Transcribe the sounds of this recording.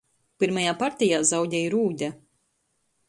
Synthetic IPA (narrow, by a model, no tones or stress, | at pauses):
piɾmajaːpaɾt̪ʲijaːzawɟʲɛjɾuːɟ̪ʲa